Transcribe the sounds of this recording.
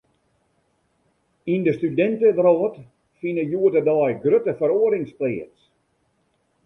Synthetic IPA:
indəstydɛntədrɔːt | finəjuətədɔɛjɡrøtəfəɾoəɾɪŋspliːəs

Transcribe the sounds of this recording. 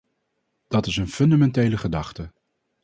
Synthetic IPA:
d̥ɑtɪsənfɵndamɛntejləχədɑχtə

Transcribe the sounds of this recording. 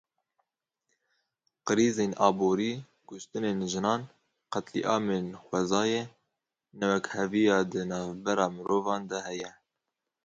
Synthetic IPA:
qɨɾiːzeːnʔɑːboːɾiː | kʊʃt̪ɨneːnʒɨnɑːn | qɛt̪lḭʔɑːmenxʷɛzɑːje | nɛwɛkhɛvijɑːd̪ɨnɑːvbɛɾɑːmɨɾoːvɑːnd̪ɛhɛjɛ

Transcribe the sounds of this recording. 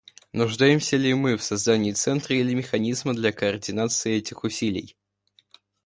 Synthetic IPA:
nʊʐd̪ajɪmsʲəlʲɪmɨfsɐzd̪anʲɪjːt̪sɛnt̪ɾəilʲɪmʲɪxɐnʲizməd̪lʲɐkəɐrdʲɪnat̪sɨɪɛtʲɪxʊsʲilʲɪ̰j

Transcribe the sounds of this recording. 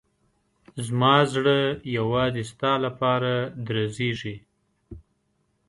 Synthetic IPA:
zmɑzɽəjawɑzɪst̪ɑlapɑɾad̪ɾazeʒi

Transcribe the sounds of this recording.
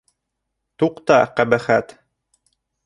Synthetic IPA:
t̪uqt̪ɑqæbæχæt̪

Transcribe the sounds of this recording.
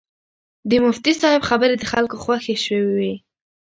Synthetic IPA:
d̪əmʊft̪isɑhɪbxabəɾed̪əxalkoxwaxeʃwewwi

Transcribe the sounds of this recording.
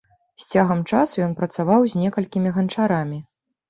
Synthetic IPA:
sʲt͡sʲaɣɐmt͡ʂasujɔnpɾɐt̪savawzʲnʲɛkɐlʲkʲimʲiɣɐnt͡ʂaɾamʲi

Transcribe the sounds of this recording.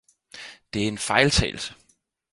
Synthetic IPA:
d̥e̝æɐe̝nfɑ̈ɪlt͡sʰɛ̰ːl̩sə̥

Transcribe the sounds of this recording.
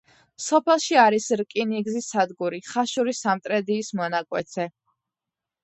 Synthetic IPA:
sɔpʰɛlˠʃiaɾisɾkʼiniɡzisad̪ɡuɾiχaʃuɾisamt̪ʼɾɛd̪iːsmɔnakʼwɛt̪sʰɛ

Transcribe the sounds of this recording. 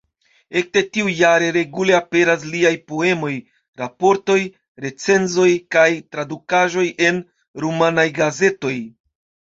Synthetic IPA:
e̞k̚te̞tiujaɾe̞ɾe̞ɡule̞ape̞ɾas̬liajpo̞e̞mo̞j | ɾapo̞ɾto̞j | ɾe̞t͡se̞nzo̞jkajtɾadukaʒo̞jʔe̞n | ɾumanajɡaze̞to̞j

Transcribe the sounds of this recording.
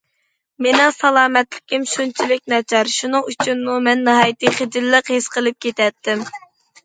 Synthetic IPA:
menɪŋsɑlˠɑːmɛt̪lɪ̥kʲimʃunt͡ʃʰilɪk̚ʲnɛd͡ʒɑɾʃunɨŋyt͡ʃʰynmumɛnːɨɦɑːjit̪ɨχed͡ʒ̪ɪlːəqhesqəlˠɨp̚kʲet̪ɛt̪ːɪm

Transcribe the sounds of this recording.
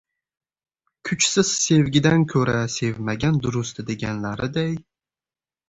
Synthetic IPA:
kʲʰʊt͡ʃsɪz̥se̞vɡʲɪd̪ankʲʰɵɾase̞vmaɡʲand̪ʊɾʊst̪ʰɪd̪e̞ɡʲanlaɾɪd̪aj

